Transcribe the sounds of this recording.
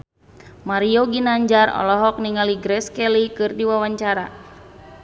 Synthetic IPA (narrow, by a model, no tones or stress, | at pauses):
maɾioɡinaɲd͡ʒarɔ̰lɔɦɔk̚niŋaliɡɾɛskɛlikɨrdiwawaɲt͡ʃaɾa̰